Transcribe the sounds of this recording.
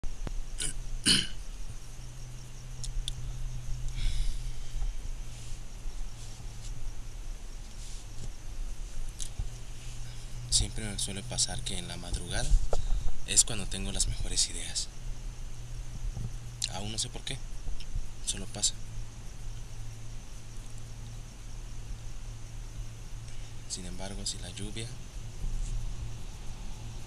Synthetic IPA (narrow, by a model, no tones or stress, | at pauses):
sje̞mpɾe̞meswe̞le̞pasaɾke̞ːnlamaðɾuɣaða | e̞skwand̪o̞t̪e̞ŋɡo̞lazme̞xo̞ɾe̞siðe̞as | a̰unːo̞s̬e̞po̞ɾke̞ | so̞lo̞pasḁ | sinẽ̞mbaɾɣo̞silaʝuβja